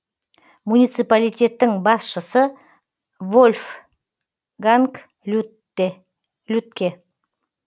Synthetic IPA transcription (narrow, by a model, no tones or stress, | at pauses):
munit̪sɨjpalʲijt̪ʲe̞t̪ːɪŋbɑsʃəsə | volʲf | ɡaŋk | lʲut̪kʲe